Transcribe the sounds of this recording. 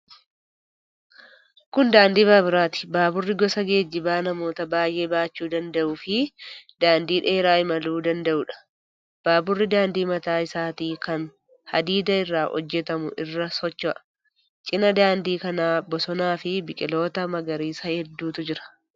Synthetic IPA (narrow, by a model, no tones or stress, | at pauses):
kʊnd̪aːnd̪iːbabɪɾaːt̪ɪ̥baːbʊrːɪɡɔsɐɡe̞ːd͡ʒːɪbaːnɐmo̞ːt̪ɐbaːjʔe̞ːbaːt͡ʃːuːd̪ɐnd̪ɐʔʊːfɪd̪aːnd̪iːᶑe̞ːɾaːɪmɐluːd̪ɐnd̪ɐʔʊᶑɐ̥ | b̥aːbʊrːɪd̪aːnd̪iːmɐt̪aːɪsaːt̪iːkɐn | hɐd̪iːd̪ɐɪrːaːhɔ̰d͡ʒːɛt̪ɐmʊʔɪrːɐsɔt͡ʃːɔʔɐ | t͡ʃʼɪnɐd̪aːnd̪iːkɐnaːbɔsɔnaːfɪbɪkʼɪlo̞ːt̪ɐmɐɡɐɾiːsɐhɛd̪ːuːt̪ʊd͡ʒɪɾɐ̥